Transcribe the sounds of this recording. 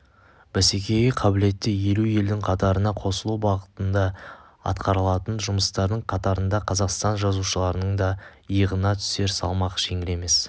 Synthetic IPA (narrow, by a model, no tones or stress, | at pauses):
b̥æsekʲʰe̞ɡʲɪqʰɑbɪle̞t̪ːɪje̞luje̞ld̪ɪŋqʰɑt̪ɑɾənɑqʰo̞səlˠuwbɑʁət̪ənd̪ɑ | ɑ̰t̪qɑɾəlˠɑt̪ənʒʊməst̪ɑɾd̪əɴqʰɑt̪ɑɾənd̪ɑqʰɑzɑqst̪ɑnʒɑzuʃəlˠɑɾənəɴd̪ɑəəʁənɑt̪ʰʏ̥se̞ɾsɑ̰lˠmɑqʒ̥e̞ŋɪle̞me̞s